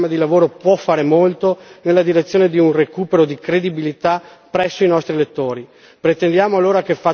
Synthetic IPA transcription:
mad̪ilavoːɾopwɔfːaːɾemolt̪onelːad̪iɾet̪sːjoːned̪iunrekuːpeɾod̪ikɾed̪ibilit̪a | pːɾɛsːoinɔst̪ɾilet̪ːoːɾi | pɾet̪end̪jaːmoalːoːɾakefːa

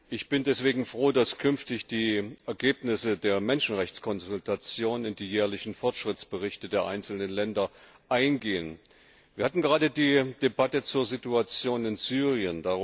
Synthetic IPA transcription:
ʔɪçb̥ɪndɛsv̥eːɡŋ̩fʁ̥oːdaskʰʏnftɪçd̥iːʔɛɐɡeːpnɪsədeːɐmɛnʃn̩ʁɛçt͡skʰɔnzʊltʰat͡sjoːnənɪndiːjɛːɐlɪçn̩fɔɐtʃʁ̥ɪt͡sb̥əʁɪçtədeːɐʔa̰ɪnt͡sl̩nənlɛndɐ | ʔaɪnɡeːən | vːɐhatn̩ɡəʁaːdədiːd̥ebatət͡suːɐzituat͡sjoːnɪnzyːʁiənda

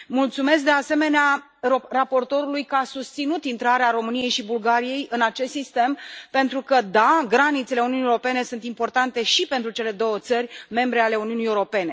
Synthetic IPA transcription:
mult̪sume̞s̬k̚d̪e̞ase̞me̞nea | rapo̞rt̪o̞ɾulujkəasust̪sinut̪int̪ɾaɾeaɾo̞mɨnije̞jʃibulɡaɾije̞jɨnat͡ʃe̞st̪sist̪e̞mpe̞nt̪ɾukəd̪aɡɾanit̪se̞leuniunijeɾope̞ne̞sunt̪impo̞rt̪ant̪e̞ʃipe̞nt̪ɾut͡ʃe̞le̞d̪o̞wət̪sərʲme̞mbɾe̞ale̞uniunijewɾo̞pe̞ne̞

